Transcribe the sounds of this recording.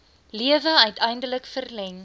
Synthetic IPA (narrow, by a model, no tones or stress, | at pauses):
liəvəœɥtʰɛjndələkfərlɛŋ